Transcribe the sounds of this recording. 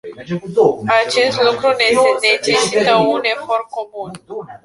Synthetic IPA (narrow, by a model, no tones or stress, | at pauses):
at͡ʃe̞st̪lukɾune̞sene̞t͡ʃe̞sit̪əune̞fo̞rko̞mun